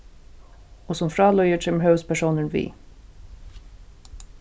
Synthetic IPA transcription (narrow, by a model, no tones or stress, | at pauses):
ɔsɔmfɾɑːlœjəʂɛmɦœʉspʰæʂuːnəɳvḭː